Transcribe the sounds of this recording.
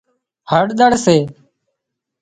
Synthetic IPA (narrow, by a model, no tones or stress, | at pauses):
həɽɗ̪əɽseː